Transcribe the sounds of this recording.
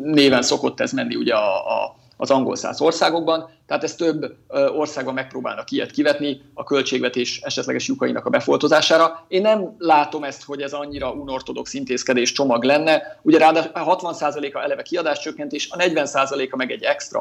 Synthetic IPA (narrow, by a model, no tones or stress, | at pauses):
neːvɛnsoko̞t̪ːɛzmɛnːiṵɟɛɒ̰ː | zɒŋɡo̰lsa̰ːso̞rsaːɡo̞ɡ̚bɒnt̪ɛaːt̪ɛst̪øbːo̞rsaːɡ̚bɒmːɛk̚proːba̰ːlnɒkiɛ̰t̪kivɛt̪ni | ɒkø̞lt͡ʃeːɡvɛt̪eːʃɛʃɛt̪lɛ̰ɡɛʃjukɒinɒkɒbɛfo̞lt̪ozaːʃaːɾɒeːnːɛmlaːt̪o̞mɛst̪ho̞ɟɛzɒɲːiɾɒunort̪o̞d̪o̞ksint̪eːskɛd̪eːʃt͡ʃomɒɡlɛnːɛuɟɛɾaːd̪aɦɒt̪ʋɒnsaːzɒleːkɒɛlɛvɛkiɒd̪aːʃt͡ʃøkːɛnt̪eːʃɒnɛɟvɛnsaːzɒleːkɒmɛɡɛɟːɛkst̪rɒ̰